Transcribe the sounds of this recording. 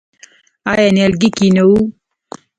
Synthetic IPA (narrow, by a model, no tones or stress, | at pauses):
aːjanelɡikinɐu